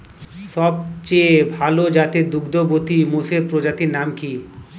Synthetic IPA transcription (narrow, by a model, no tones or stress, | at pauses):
ʃɔb̚t͡ɕebʱalod͡ʑat̪ed̪uɡd̪obot̪imosepɾod͡ʑat̪iɾnamki